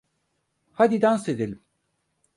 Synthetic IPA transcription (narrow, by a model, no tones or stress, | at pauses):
had̪id̪ansed̪elʲim